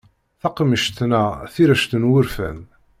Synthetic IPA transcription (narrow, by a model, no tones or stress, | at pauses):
θɑqməʃt̪næθiɾæʃt̪ənwʊɾfæ̰n